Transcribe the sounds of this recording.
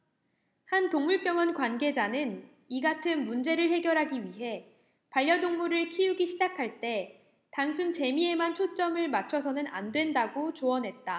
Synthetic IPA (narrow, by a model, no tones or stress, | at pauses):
hantoŋmuɭp͈jʌŋʌnkwanɡe̞d͡ʑanɯn | iɡatʰɯnmund͡ʑe̞ɾɯɭhe̞ɡjʌɾɦaɡiɥiɦe̞ | paʎːjʌdoŋmuɾɯɭkʰijuɡiɕʰid͡ʑakʰaɭt͈e̞ | taŋsʰunt͡ɕe̞mie̞mant͡ɕʰot͡ɕ͈ʌmɯɭmat͡ɕʰʌsʰʌnɯna̰ndwe̞ndaɡot͡ɕoʌnɦe̞t̚t͈a